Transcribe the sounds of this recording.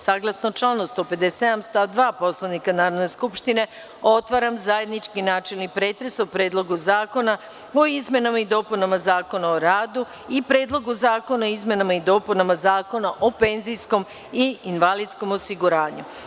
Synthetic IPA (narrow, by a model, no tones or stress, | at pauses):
saːɡlˠasnot͡ʃlˠanost̪ope̞d̪esed̪amst̪ad̪ʋaːpo̞slˠanikanaːɾod̪ne̞skupʃt̪ine̞ | o̞t̪ʋaɾamzaje̞d̪nit͡ʃkinaːt͡ʃelnipɾe̞ːt̪ɾe̞sopɾe̞ːd̪lˠo̞ɡuzaːko̞na | oizme̞namaid̪o̞ːpunamazaːko̞naoɾaːd̪u | ipɾe̞ːd̪lˠo̞ɡuzaːko̞naoizme̞namaid̪o̞ːpunamazaːko̞naʔope̞nzijsko̞m | iinʋalid̪sko̞mosiɡuɾaːɲu